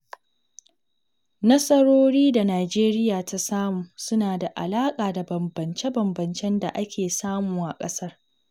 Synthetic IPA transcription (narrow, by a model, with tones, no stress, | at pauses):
nɐ˦sʼɐ˦ɽoː˦ɽiː˦da˨naː˨d͡ʒeː˦ɾɪ˦jaː˨ta˦saː˦muː˨sʊ˦naː˨da˨ʔa̰˨laː˦kʼaː˨da˨bɐ˨mbɐ˨nt͡ʃe˦bɐ˨mbɐ˨nt͡ʃɛ˦nda̰˨ʔa˦kʲeː˨saː˦muː˨ʔa̰˨kʼɐ˦sɐ˦r